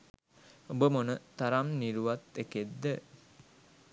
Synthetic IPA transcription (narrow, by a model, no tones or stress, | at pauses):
obəmonət̪aɾamniɾuʋat̪ːeked̪ːə